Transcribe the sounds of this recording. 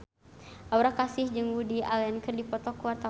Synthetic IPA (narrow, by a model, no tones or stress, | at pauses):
ʔawɾakasɪhd͡ʒɨŋwudia̰lɛnkɨrdipɔt̪ɔkuwart̪a